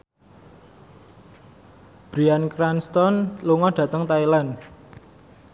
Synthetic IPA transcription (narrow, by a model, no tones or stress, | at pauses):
b̥ɾiankɾanst̪ɔnluŋɔɖ̥ä̤t̪əŋt̪ailan